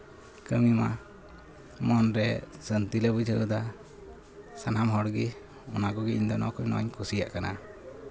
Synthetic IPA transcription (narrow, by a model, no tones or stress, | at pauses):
kəmima | mɔnɾɛsənt̪ilɛbud͡ʒʱəʔəd̪a | sanamɦɔɽɡi | ɔnakɔɡiiɲd̪ɔnɔkɔɲnɔ̰ʔaɲkusija̰ʔkana